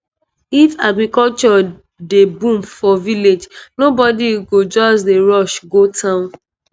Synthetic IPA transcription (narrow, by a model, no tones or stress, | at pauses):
ifaɡɹikɔlt͡ʃɔ | debũmfɔviled͡ʒnobɔdiɡod͡ʒɔsdeɹɔʃɡotʰãʊ̃n